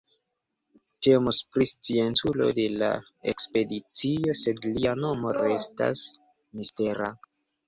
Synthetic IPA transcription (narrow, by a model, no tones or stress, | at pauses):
te̞mospɾist͡sie̞ntulo̞̰de̞la̰ | ekspe̞dit͡sio̞se̞dliano̞mo̞ɾe̞sta̰s | miste̞ɾa